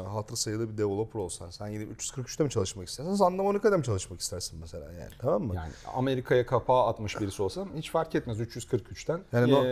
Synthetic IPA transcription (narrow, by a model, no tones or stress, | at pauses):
ɦat̪ɾasajɯlˠɯbid̪evolˠopʰɾo̞lˠsansænjienʲiy̰t͡ʃjyz̥kʰɯɾkʰyt͡ʃt̪ɛmit͡ʃʰalˠɯʃmakist̪ʰæɾsiænizand̪amonikad̪ʲamit͡ʃʰalˠɯʃmaki̥st̪ʰæɾsinmese̞lʲa̰ːja̰ːnit̪ʰamamːɯja̰ːnɪa̰me̞ɾikʰajakʰapaːat̪mɯʃbiɾisio̞lˠsanhit͡ʃfaɾcɛt̪mæzyt͡ʃjyz̥kʰɯɾkyt͡ʃt̪ʰænjaːnio